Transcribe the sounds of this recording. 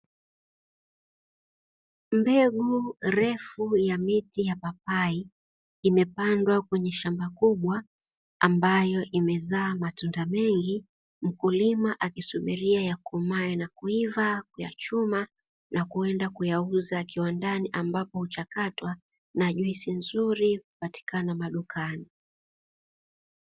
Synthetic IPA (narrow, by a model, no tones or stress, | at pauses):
mbɛɠuɾɛfujamitijapap̚ai | imɛpandwakwɛɲɛʃambakuɓwa | ambajɔʔimɛzaːmatundamɛŋɡi | m̩kulimaʔakisumiɾiajakumaɛnakuivakuja̰t͡ʃuma | nakuɛndakujauzakiwandaniʔambapɔhut͡ʃakatwa | naʄuisinzuɾikupati̥kanamaɗukani